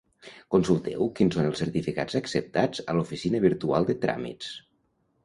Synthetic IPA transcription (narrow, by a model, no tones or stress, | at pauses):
kunsulˠt̪ɛ̰wkinsonəlˠsəɾt̪ifika̰d͡zəksəp̚t̪ad͡zəlufisinəβ̞iɾt̪ua̰lˠd̪ət̪ɾa̰mḭs